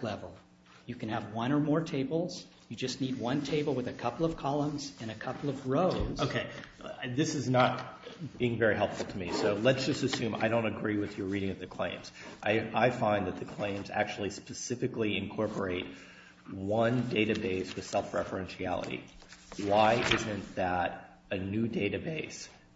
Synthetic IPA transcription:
lɛvl̩ˠ | jɨkɨ̃nɨvwʌ̃ñə˞mɔɹtʰeɪbl̩ˠz̥ | jɨd͡ʒʌstⁿnid̚wʌ̃ntʰeɪbl̩ˠwɨðɨkʰʌpl̩ˠʌv̥kʰɑlˠə̃mz̥ɨ̃ñɨkʰʌpl̩ˠʌvɹoʊzoʊkʰeɪðɪsɨznət̚biɪ̃ŋvɛɹiɦɛlˠpfl̩ˠtʰəmisoʊlɨtsd̥ʒ̥ʌstɨsʉ̃ma̰ɪɾõʊ̃ntɨɡɹiwɨðjə˞ɹiɾɪ̃ŋɨvðɨkʰl̥ḛ̃ɪ̃mz̥ʔaɪaɪfãɪ̃nðɨt̪̚ðɨkʰl̥ẽɪ̃mzæ̰k̚t͡ʃul̩ˠispɨsɪfɨkliɨ̃nkʰɔɹpə˞eɪt̚ | wʌ̃ndeɪɾɨbeɪswɨð̥sɛlˠfɹɛfə˞ɛ̃nʃiæ̰lˠə̰ɾḭ | waɪʔɪzɨ̃nðəɾ | ɨnʉdeɪɾɨbeɪs

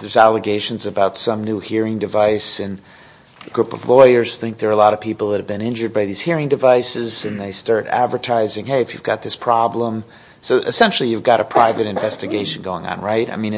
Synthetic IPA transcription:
ðə˞zælˠəɡeɪʃɨ̃n̩zɨbaʊtsʌ̃mnuhiɹɪ̃ŋdɨvaɪsɨ̃n | əɡ̥ɹupʌ̰vlɔɪə˞z̥θɪ̃ŋk̚ðə˞əlɑɾʌv̥pʰipl̩ˠðət̚ɨvbɨ̃nɪ̃nd͡ʒə˞d̚baɪðiz̥hiɹɪ̃ŋdɨvaɪsɪzɨ̃nðeɪstɑɹɾæ̰dvə˞tʰaɪzɪ̃ŋɦeɪɨfjʉ̰vɡɑ̰t̪̚ðɪspʰɹ̥ɑblə̃m | soʊʔɨ̰sɛ̃nʃl̩ˠijʉvɡɑɾɨpʰɹ̥aɪvɨɾɨ̃ɱvɛstɨɡeɪʃn̩ɡoʊɪ̃ŋə̰̃nɹaɪta̰ɪmĩn

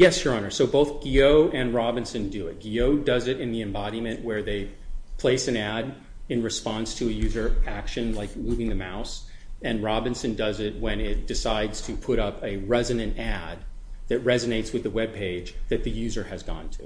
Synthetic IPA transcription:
jɛsjə˞ɑnə˞soʊboʊθɡ̥ioʊʔɨ̃nɹɑbɨ̃nsɨ̃ndɨɪt̚ɡ̥ioʊdʌzɨɾɨ̃nðiɨ̃mbɑɾimɨ̃nʔwə˞ðeɪpʰl̥eɪsɨ̃næɾ | ɨ̃nɹɨspɑ̃nstʰɨɨjʉzə˞ækʃɨ̃nlaɪk̚muvɪ̃ŋðɨma̰ʊs | ɨ̃nɹɑbɨ̃nsɨ̃ndʌzɪt̚wɨ̃nɪt̚d̥ɨsaɪdz̥tʰɨpʰʊɾʌpɨɹɛzɨnɨ̃ntæd̪̚ | ðɨt̚ɹɛzɨneɪtswɨðɨwɛb̚pʰeɪ̥d͡ʒðɨt̪̚ðɨjʉzə˞ɨzɡɔ̰̃ntʰʉ̰

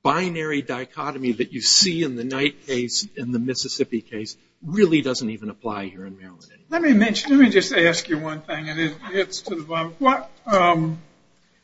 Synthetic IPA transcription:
b̥ãɪnɛɹidaɪkʰɑɾɨmiðɨt͡ʃɨsiɨ̃nðɨnaɪt̚kʰeɪsɨ̃nðɨmɪsɨsɪpikʰeɪs | ɹɪlˠidʌzə̃n̩tivɨ̃nəpʰl̥a̰ɪhiɹɨ̃nmɛɹəlˠɪ̰̃nnlɛt̚mimɛ̃nʃɨ̃n̩lɛt̚mid͡ʒʌstæskjɨwʌ̃nθɪ̃ŋɨ̃nɪt̚hɪtstʰɨðɨbɑ̃ɪ̃mwʌt̚ʌ̃m

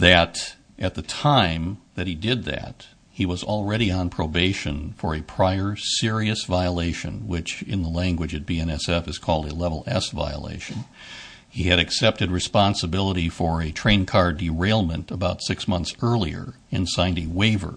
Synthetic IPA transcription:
ðɨɾ | ʔɨt̪̚ðɨtʰãɪ̃mðɨt̚hidɪd̪̚ðɨ̰t̚ | hiwʌzl̩ˠɹɛɾiə̃npʰɹ̥oʊbeɪʃɨ̃nfə˞ɨpʰɹ̥aɪə˞sɪɹiɨsvaɪəleɪʃɨ̰̃nwɪt͡ʃɨ̰̃nðəlæ̃ŋɡwɨd͡ʒɨt̚b̥iɛ̃ñɛsɛfɨz̥kʰɔlˠdɨlɛvl̩ˠɛ̰sva̰ɪə̰lḛɪʃɨ̃n | iɨɾɨksɛp̚tɨd̚ɹɨspɑ̃nsəbɪlˠəɾifə˞ɨtʰɹ̥ẽɪ̃nkʰɑɹdiɹeɪlˠmɨ̃ntəbaʊtsɪksmʌ̃nθsɜ˞lˠiə̰˞ | ɨ̃nsãɪ̃ndiweɪvə̰˞

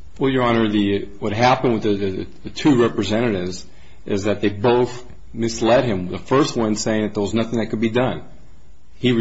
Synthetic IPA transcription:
wɛlˠjə˞ɑ̃nə˞ðɨwʌt̚ɦæpɨ̃nd̚wɨðɨðɨɨ | ɨtʰʉɹɛpɹɨzɛɾ̃ɨɾɪvz | ʔɪzðɨt̪̚ðeɪboʊθ | mɨslɛt̚hɨ̃mðəfɜ˞st̚wʌ̃nseɪɪ̃ŋðɨt̪̚ðə˞wʌznʌθɪ̃ŋðɨt̚kʰɨd̚bidʌ̃n | i

